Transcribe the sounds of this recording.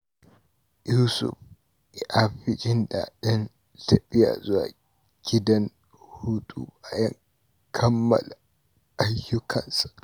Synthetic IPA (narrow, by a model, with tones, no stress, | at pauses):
juː˦sʊ̰˨ɸ | ɛ˨ʔa˦ɸɪ˦d͡ʒɪ˦nda̰˨ɗɪ˦n | tɐ˨ɓɪ˦ja̰˨zʊ˦wa̰ː˨ | ɡ̥ʲɪ˦dɐ˦n | hʊ˦ɗʼṵ˦ba˨jɐ˦ŋ | kʰɐ˦mːɐ̰˨la | a˦jːʊ˦kʰɐ˨nsḁ˨